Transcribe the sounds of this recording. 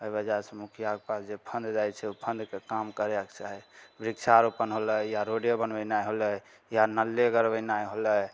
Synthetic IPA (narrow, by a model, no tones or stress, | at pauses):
əjbəd͡ʒasə̃mukʰijakpasd͡ʒepʰə̃nd̪d͡ʒajt͡ʃʰɛupʰə̃nd̪kekamkəɾɛkt͡ʃaɦɛbɾiksaɾupənɦoləjaɾoɖjebənbənajɦolə | janəlːeɡəɾbəjnajɦolə